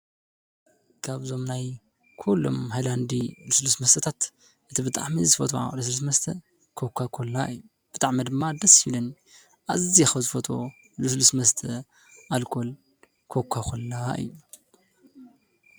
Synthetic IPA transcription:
kʰaβzo̞mnaj | kʰulːo̞̰mhajland̪iluslusmɐst̪ʰɐt̪ʰat̪ | ʔɨt̪ʰibɨt̪ʼa̰ʕmizɨfɐt̪ʰoʕa̰luslusmɐst̪ʰɐ̰ | kʰokʰːakʰolːaʔɨ̰jːu | b̥ɨt̪ʼaʕmid̪ɨmːad̪ɐshilon | ʔa̰zɨzjaxɐzɨfɐt̪ʰo̰ | lɨslusmɐst̪ʰɐ | ʔalkʰo̞l | kʰokʰːakʰolːaʔɨ̰jːu

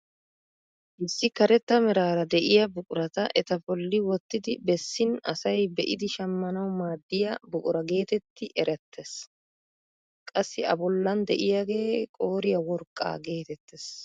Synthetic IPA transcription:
ʔɪsːɪkɐɾɛt̪ːɐmɛɾaːɾɐd̪ɛʔɪjɐbʊkʼʊɾɐt̪ɐʔɛt̪ɐbɔlːɪwɔt̪ːɪd̪ɪbɛsːɪnɐ̰sɐjbɛʔɪd̪ɪʃɐmːɐnɐwmaːd̪ːɪjɐbʊkʼʊɾɐɡe̞ːt̪ɛt̪ːɪʔɛɾɛt̪ːɛs | kʼɐsːɪɐ̰bɔlːɐnd̪ɛ̰ʔɪjaɡe̞ːkʼo̞ːɾɪjɐwɔɾkʼːa̰ːɡe̞ːt̪ɛt̪ːɛs

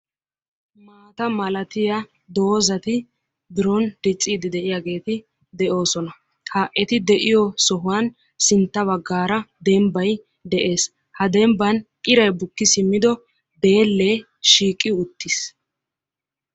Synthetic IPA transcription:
maːt̪ɐmɐlɐt̪ɪjɐ | d̪o̞ːzɐt̪ɪ | bɪɾɔnd̪̥ɛt͡sʼːiːd̪ɪd̪ɛʔɪjaɡe̞ːt̪ɪ | d̪ɛʔo̞ːsɔnɐ | haːʔɛt̪ɪd̪ɛʔɪjɔsɔɦʊwan | sɪnt̪ːɐβɐɡːaːɾɐd̪ɛmbɐj | d̪ɛʔe̞ːs | hɐd̪ɛmbɐnkʼɪɾɐjbʊkːɪsɪmːɪd̪ɔ | d̪e̞ːlːeː | ʃiːkʼːɪʊt̪ːɪs

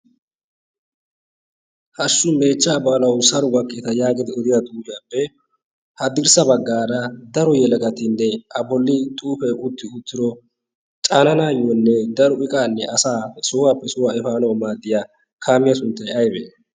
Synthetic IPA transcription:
hɐsːʊbeːt͡ʃːaːblɐwsɐɾɔwɐkːeːt̪ɐjaːɡɪd̪ɪɔd̪ɪjad̪uːd͡ʒɪjaːpːɛ | hɐd̪ɪɾsɐbɐɡːaːɾɐd̪ɐɾɔjɛlɐɡɐt̪ɪnːɛʔɐbɔlːɪt̪ʼuːfɛjʔʊt̪ːɪʊt̪ːɪɾɔ | t͡ʃʼaːnɐnaːjonːɛd̪ɐɾɔʔɪkʼaːnːɛʔɐsaːsowaːpːɛsʊwaɛfaːnɐwmaːd̪ɪja | kʰaːmɪjɐsʊnt̪ːɐjɐjbɛ̰

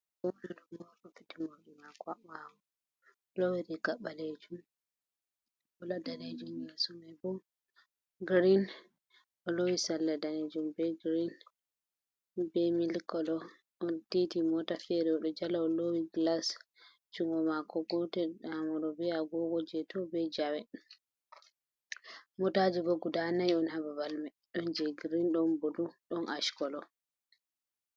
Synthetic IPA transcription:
bɔnɛɗɔmɔtɔfitimawɗimakɔaakɔ | lowiɾiɡaɓːaled͡ʒum | ɔladaled͡ʒumjasɔmajbɔ | ɡɾin | ʔɔlowisalːadaned͡ʒumbɛɡɾin | bɛmilkɔlɔ | ʔɔntitimɔtafɛɾɛɔɗɔd͡ʒalaɔlowiɡlas | d͡ʒuŋɡɔmakɔɡɔtɛamɔɗɔbɛaɡɔɡɔd͡ʒɛtɔbɛd͡ʒawɛ | mɔtad͡ʒuboɡudanajɔnhababalmɛ | ɗɔnd͡ʒɛɡɾinɗɔnboduɗɔnʔaʃkɔlɔ

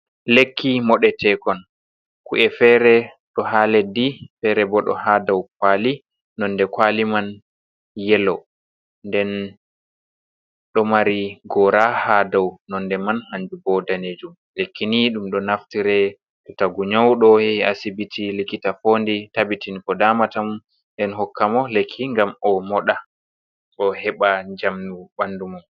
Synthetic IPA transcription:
lekːimɔɗɛtʰɛkɔn | kuʔɛfɛɾɛ | ɗɔɦaːlɛdifɛɾɛbɔɗɔ̰hadawkwaːli | nɔndɛkwaliman | jɛlɔ | ndɛn | ɗɔmaɾiɡɔɾahadawnɔndɛmanhaɲd͡ʒubɔdaneːd͡ʒum | lekːiniɗumɗɔnaftiɾɛ | ɗɔtaɡuɲawɗɔhɛiasibitʰilikːitafoːnditabitinikɔdamatamu | ndɛnɦɔkːamɔlekʰːiŋɡamɔmɔɗa | ɗɔhɛɓaɲd͡ʒamnuɓandumum

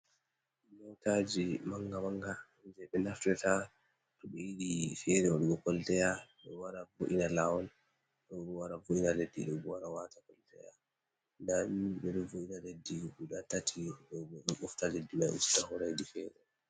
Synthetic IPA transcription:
nɔwtad͡ʒimaŋɡamaŋɡa | nd͡ʒɛɓɛnaftɛta | tɔɓɛjiɗifɛɾɛwɔɗɔɡɔkɔltɛjaɓɛwaɾavoʔinalawɔn | ɗɔɗɔwaɾavoʔinaledːḭɗɔbɔwaɾawatakɔltɛ̰ja | ndamibɛɗɔvoʔinaledːibuɗatatʰiɗɔɛɔɓɔftaledːimaʔḭstahɔɾajdifɛːɾɛ

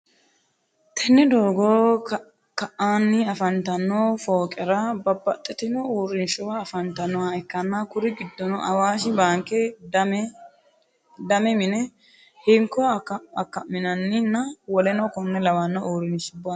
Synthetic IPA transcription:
t̪ʰɛnːɛd̪oːɡoː | kɐʔaːnːɪɐfɐnt̪ɐnːoːfoːkʼɛɾɐbɐbːɐt̪ʼːɛt̪ɪnɔuːɾɪnʃɔwɐːfɐnt̪ɐnːɔhɐɪkːɐnːakʊɾɪɡɪd̪ːɔnɔʔɐ̰waːʃɪbaːŋkːɛd̪m | d̪ɐmɛmɪnɛ | hɪŋkːɔkɐkːɐmːɪnɐnːɪnːɐwɔlɛnɔkɔnːɛlɐwɐnːɔʔuːɾɪnʃʊba

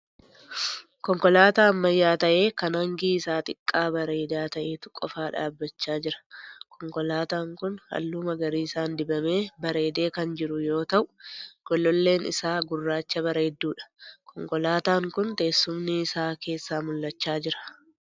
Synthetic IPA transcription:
kɔŋkɔlaːt̪aːɐmːɐjːaːt̪ɐʔe̞ːkɐnhɐŋɡiːɪsaːt̪ɪkʼːaːbɐɾe̞ːd̪aːt̪ɐʔe̞ːt̪ʊ̥kʼɔfaːᶑa̰ːbːɐt͡ʃːaːd͡ʒɪɾɐ̥kʰɔŋkɔlaːt̪aːŋkʊnhɐ̰lːuːmɐɡɐɾiːɪsaːnd̪ɪbɐme̞ːbɐɾe̞ːd̪e̞ːkɐnd͡ʒɪɾʊjo̞ːt̪ɐʔʊ̥ɡ̥ɔlːɔlːe̞ːnɪ̰saːɡʊrːaːt͡ʃːɐβɐɾe̞ːd̪ːuːᶑɐ̥kʰɔŋkɔlaːt̪aːŋkʊnt̪e̞ːsːʊmnɪːsaːke̞ːsːaːmʊlːɐt͡ʃːaːd͡ʒɪɾɐ̥

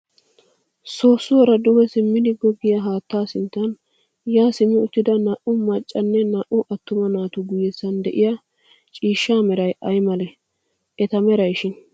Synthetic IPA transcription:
so̞ːsːʊwɔɾɐd̪ʊwɛsɪmːɪd̪ɪɡɔɡɪjɐɦaːt̪ːaːsɪnt̪ːɐn | jaːsɪmːɪʊt̪ːɪd̪ɐnɐʔʊmɐt͡ʃʼːɐnːɛnɐʔʊʔɐt̪ːʊmɐnaːt̪ʊɡʊjɛsːɐnd̪ɛʔɪjɐ | t͡ʃʼiːʃːaːmɛɾɐjɐjmɐlɛ | ʔɛt̪ɐmɛɾɐjʃɪn

